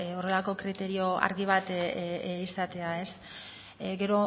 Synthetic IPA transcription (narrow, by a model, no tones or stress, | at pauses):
o̞re̞lako̞kɾit̪e̞ɾio̞a̰ɾɣiβ̞at̪ | isat̪e̞ae̞s | ɡe̞ɾo̞